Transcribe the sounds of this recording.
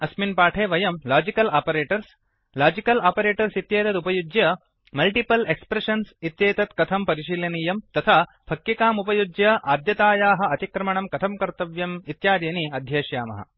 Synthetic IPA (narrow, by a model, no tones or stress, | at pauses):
ɐsminpaːʈʰeːʋɐjɐmlaːd͡ʒikɐlaːpɐɾeːʈɐɾs | laːd͡ʒikɐlaːpɐɾeːʈɐɾsit̪jeːt̪ɐt̪upɐjud͡ʒjɐ | mɐlʈipɐlekspɾeʂɐnsit̪jeːt̪ɐt̪kɐt̪ʰɐmpɐɾiʃilɐniːjɐmt̪ɐt̪ʰaː | pʰɐkjikaːmupɐjud͡ʒjɐʔaːd̪jɐt̪aːjaːɦɐ̆ɐt̪ikɾɐmɐɳɐmkɐt̪ʰɐmkɐɾt̪ɐʋjɐmit̪jaːd̪eːniɐd̪ʱjɐːʃjaːmɐ̰ɦɐ̰